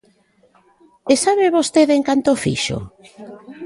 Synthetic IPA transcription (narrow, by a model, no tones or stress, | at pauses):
esaβeβost̪eðeŋkant̪ofḭʃo̰